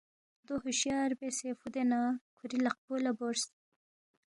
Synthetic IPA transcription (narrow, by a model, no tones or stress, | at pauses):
d̪oɦʊʃjɑːɾbesefud̪enakʰuɾilaq̚bolaboɾs